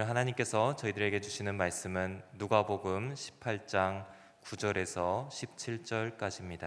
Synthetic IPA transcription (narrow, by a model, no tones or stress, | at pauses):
ɦanaɲimk͈e̞sʰʌt͡ɕʌidɯɾe̞ɡe̞d͡ʑuɕʰinɯnmaɭs͈ɯmɯnːuɡaboɡɯmɕʰi̥pʰaɭt͡ɕ͈aŋ | kud͡ʑʌɾe̞sʰʌɕʰip̚t͡ɕʰiɭt͡ɕ͈ʌɭk͈ad͡ʑimɲida